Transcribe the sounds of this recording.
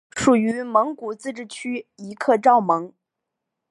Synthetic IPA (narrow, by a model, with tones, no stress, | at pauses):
ʂu˨˩y˧˥mɤ˧˥ŋku˨˩t͡sɹ̩˥˧ʈ͡ʂɻ̩˥˩t͡ɕʰy˥i˧˥kʰɤ˥˧ʈ͡ʂɑ˥˩ʊmɤ˧˥ŋ